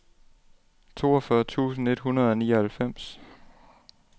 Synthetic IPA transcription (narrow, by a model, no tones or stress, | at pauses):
t͡sʰo̝ːɒfɶɐt͡sʰṵːsn̩e̝d̥hunɐð̞ˠɒnḭːɐhælfem̰s